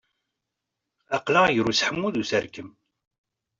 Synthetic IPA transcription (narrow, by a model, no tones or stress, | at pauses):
ɑqlajɾusħəmːuðusəɾkəm